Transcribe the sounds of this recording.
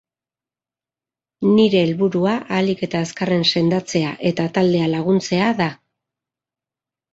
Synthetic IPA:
niɾe̞ːlβuɾuaʔalike̞t̪aeskare̞nse̞nd̪at͡se̞aʔe̞t̪at̪ald̪e̞alaɣ̞unt͡se̞aða

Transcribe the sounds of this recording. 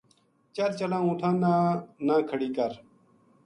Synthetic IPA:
t͡ʃɐɾt͡ʃəlãːũːt̪ʰãːnanãːkʰəɽiːkəɾ

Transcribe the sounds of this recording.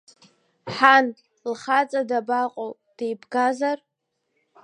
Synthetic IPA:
ħan | lχat͡sʼadabaqʼow | d̥ejbɡazar

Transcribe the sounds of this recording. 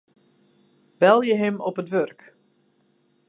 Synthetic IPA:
b̥ɛlˠjəɦɪmɔpətʋørk

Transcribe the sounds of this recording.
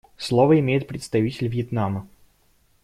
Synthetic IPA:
slˠovəɪmʲejɪt̪̚pɾʲɪt̪st̪ɐvʲitʲɪlʲvjɪt̪namə

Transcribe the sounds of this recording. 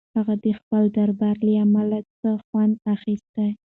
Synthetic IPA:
haɣad̪əxpəld̪aɾbaɾliamalat͡səxwand̪axist̪aj

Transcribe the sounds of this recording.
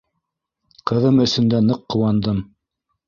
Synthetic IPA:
qɤ̆ðɤmɵ̆sɵ̆nd̪ænɤqːŏwɑnd̪ɤm

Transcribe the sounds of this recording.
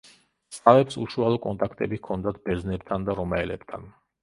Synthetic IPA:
sʼavɛpsuʃualˠɔkʼɔnt̪ʼakʰt̪ʼɛbikʰɔnd̪at̪̚ʰbɛɾznɛpt̪ʰand̪aɾɔmaɛlɛpt̪ʰan

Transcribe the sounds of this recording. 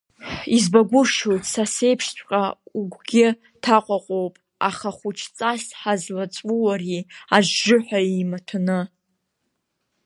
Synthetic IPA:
izbaɡʷʊʃojtʰʼsase̞jpʰʂt͡ɕʷʰʼqʼauɡʷɡʲɪ | tʰaqʷʼaqʷʼowpʼ | a̰χaχʷʊt͡ʃʰt͡sʼasħazlat͡sʷʼwuwariaʒʒʊħʷᶣaimatʰanɨ

